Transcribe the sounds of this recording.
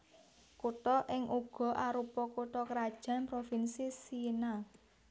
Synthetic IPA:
kut̪ɔʔɪŋʔuɡ̥ɔ̤ʔaɾupɔkuʈ̪ɔkɾad̥ʒ̥a̤npɾofinsisina

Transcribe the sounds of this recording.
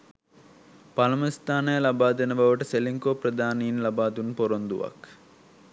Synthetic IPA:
palɐməst̪ʰaːnəjəlabaːd̪enəbaʋəʈəseliŋkoːpɾɐd̪aːniinlabaːt̪unpoɾond̪ṵʋa̰k

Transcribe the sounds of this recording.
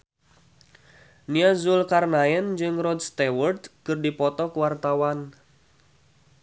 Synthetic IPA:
niazʊlkarnaɛnd͡ʒɨŋrɔd̪̚st̪ɛwərt̪kɨrdipɔt̪ɔkəwart̪awan

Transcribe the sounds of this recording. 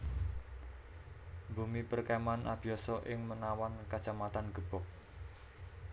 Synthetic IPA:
bumipərkemanʔab̥iɔsɔʔɪŋmənawankḁt͡ʃamat̪anɡ̥ə̤b̥ɔh

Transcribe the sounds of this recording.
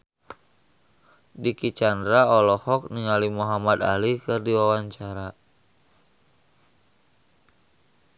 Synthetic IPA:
dikit͡ʃandɾaɔlɔhɔk̚niŋalimuɦamad̪a̰likɨrdiwawaɲt͡ʃaɾa

